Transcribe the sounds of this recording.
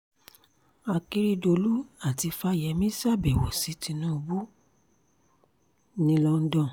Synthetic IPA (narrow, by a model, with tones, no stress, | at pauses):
a˧ki˦ɾi˦do˧lu˦a˦˨ti˧fa˧˦jɛ˧˦mĩ˦sa˦˨bɛ˨wo˨si˨˦ti˧˦nũ˦˧bu˦ | nĩ˧˦lɔ˧n̩˦dɔ̃˦˨